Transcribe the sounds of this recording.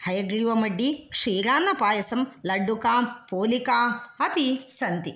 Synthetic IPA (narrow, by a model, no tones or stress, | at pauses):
hɐjɐɡɾiʋɐmɐɖːikʂiːɾaːnːɐpaːjɐsɐmlɐɖːukaːpoːlikaːɐpisɐnt̪i